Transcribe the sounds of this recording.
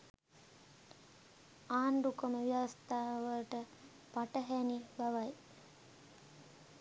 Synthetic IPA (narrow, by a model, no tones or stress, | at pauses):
aːɳɖukəməʋijaʋst̪aːɦʋəlʈə | paʈəɦænibaʋaj